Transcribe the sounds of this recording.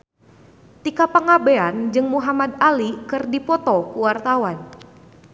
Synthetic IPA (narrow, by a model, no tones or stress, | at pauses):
t̪ikapaŋabeand͡ʒɨŋmuɦamad̪alikɨrdipɔt̪ɔkuwart̪awan